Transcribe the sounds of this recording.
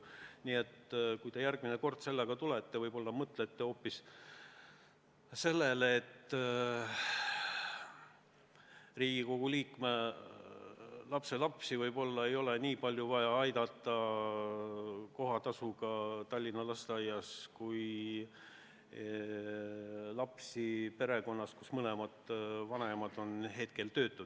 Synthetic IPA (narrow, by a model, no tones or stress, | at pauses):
niːe̞t̪ːkujt̪e̞jærɡ̥̚mineko̞rd̪̥se̞lːeɡ̥ɑt̪ulet̪ːe̞vɤjbo̞lːɑmɤt̪ˑlet̪ːe̞o̞ːpːis | se̞lːeleːt̪ː | riːɡ̥iko̞ɡ̥uliːkme | lɑpse̞lɑpsivɤjb̥o̞lːɑe̞jo̞le̞niːpɑlʲjuvɑjɑɑjd̪̥ɑt̪ːˑɑ | ko̞ɦɑt̪ɑsuɡ̥ɑt̪ɑlʲːinːɑlɑst̪eɑjɑskuj | lɑpsipe̞ɾe̞ko̞nːɑskusmɤle̞mɑd̪̥vɑne̞mɑd̪̥o̞nɦe̞t̪̚ke̞lt̪ø̞ːt̪ːˑud̪̥